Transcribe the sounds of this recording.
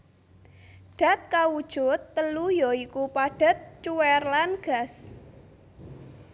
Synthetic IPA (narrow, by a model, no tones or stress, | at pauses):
ɖ̥a̤t̪̚kawud̥ʒ̥ʊ̤t̪ːəlujɔikupaɖ̥a̤t̪̚t͡ʃuwɛrlanɡ̥a̤s